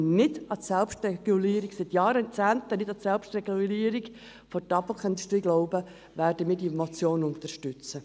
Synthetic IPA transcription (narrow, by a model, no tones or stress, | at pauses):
nɪdɑtsɛlpʃtrɛɡ̥uliːɾiɡsɪt̪jɑːɾət͡sæːnt̪ənɪdɑsɛlpʃtrɛɡuliːəɾik | fɔtɑpl̩kʰœnd̪ʃt̪iːɡlɔʊbə | ʋæːrdəmiːdiɛmot͡sjoːnʊnt̪əɾʃtʏt͡sə